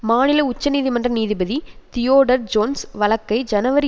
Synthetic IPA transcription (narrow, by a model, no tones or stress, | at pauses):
maːnɪlɐʊt͡ʃːɐniːðimɐndrɐniːðɪbɐðit̪ɪjoːɽɐɾd͡ʒoːnsʋɐɭɐkːɐɪd͡ʒɐnɐʋɐɾɪ